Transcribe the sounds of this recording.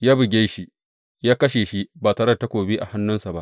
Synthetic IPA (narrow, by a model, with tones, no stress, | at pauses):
jaː˦bɪ˨ɡʲe˦ʃi˦ | jaː˦kɐ˦ʃeː˨ʃi˦baː˨tɐ˨ɾɐ˦˨ta˦kʷoː˨biː˦ʔa̰˨ha˦nːʊ˦nsa˨ba˦ʔ